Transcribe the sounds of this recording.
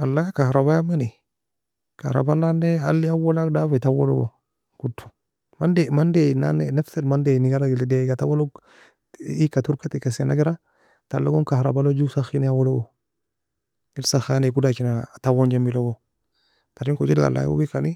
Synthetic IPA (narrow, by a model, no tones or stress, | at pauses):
alːajakahɾabajamani | kahɾa̰bananːealːiawolakdafatawolo̰ɡo̰ | kutːu̥ | mandemandena̰neneftelmandeniɡalaɡldeɡatawolo | ikatuɾkatikasenaɡiɾa | talːoɡoŋkahɾa̰balod͡ʒusaxinjawoloɡo | ilsaxanekudakinatawond͡ʒambiloɡo | taɾiŋkot͡ʃilɡa̰la̰j̰o̰bikani